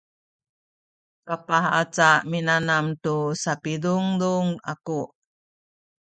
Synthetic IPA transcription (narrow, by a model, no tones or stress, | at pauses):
kapaɦat͡saminanamtusapiduŋduŋa̰ku